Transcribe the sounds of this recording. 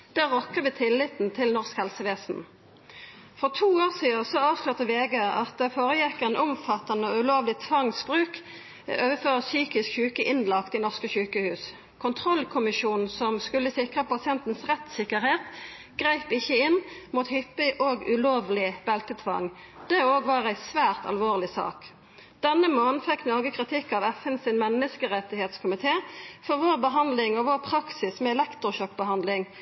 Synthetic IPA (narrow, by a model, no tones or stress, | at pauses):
d̪̥æʁɔkːəʋɪt̪ʰɪlːɪt̪n̩t̪ʰɪlnɔʁskhɛlsəʋeːsn̩ | fɔʁt̪ʰuːoːʁsiːəsɔɑːʋslʉːʁt̪əʋeːɡəɑ̰t̪̚d̪ɛfoːʁəjɪkəɛnʔʊmfɑt̪ːɑnɔʉloːʋlɪt̪ʰʋɑŋsbʁʉːk | øːʋəføːʁəsyːkɪskçʉːkəʔɪnlɑkt̪iːnɔʁskəçʉːkəhʉːs | kʰʊnt̪ʰʁɔlkʰʊmɪʃuːnn̩sɔmskʉlːəsɪkʁəpɑsɪɛnt̪n̩sʁɛt̪sɪkəʁheːt̪ | ɡ̥ʁæɪpɪçːəɪnmuːt̪hʏpːɪʔoːɡʉloːʋlɪbɛlt̪ət̪ʰʋɑ̰ŋ | d̪̥ɛoːɡʋɑːʁæɪsʋæːʁt̪ɑ̰lʋoːʁlɪsɑ̰ːk | d̪̥ɛnːəmoːnn̩fɛkːnɔʁɡəkʰʁɪt̪ʰɪkːɑʋɛfɛnsɪnmɛnːəskəʁɛt̪ɪheːt̪skʰʊmɪt̪ʰeːfɔʁʋoːʁbəɦɑnd̪lɪŋɔʋoːʁpʰʁɑksɪsmɛɛlɛkt̪ʁʊɕœk̚ːbəɦɑnd̪lɪŋ